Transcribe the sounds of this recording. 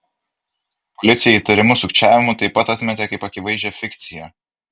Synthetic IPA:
pɔlʲɪt̪sʲɪjɛiːˑt̪ɐɾʲɪmʊsʊkt͡ʃʲæːʋʲɪmut̪ɐɪpːɐt̪ɐt̪ʲmʲɛt̪ʲɛkɐɪpɐkʲɪʋɐɪʒʲɛfʲɪkʲt̪sʲɪjɛ

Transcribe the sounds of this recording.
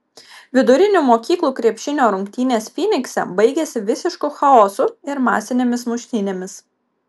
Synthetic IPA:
ʋʲɪd̪ʊɾʲɪnʲuːˑmoːkʲiːklˠuːkɾʲiɛpʲʃʲɪnʲoːɾʊŋʲkt̪ʲiːnʲeːsfʲiːnʲɪksʲɛ̰bɐɪɡʲesʲɪʋʲɪsʲɪʃkʊxɐɔːsʊɪɾmɑ̰ːsʲɪnʲeːmʲɪsmʊʃʲt̪ʲɪnʲeːmʲɪs

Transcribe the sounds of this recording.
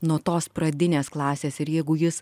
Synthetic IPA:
nuɔt̪oːspɾɐd̪ʲɪnʲeːsklˠɑːsʲeːsɪɾjɛɪɡʊjɪs

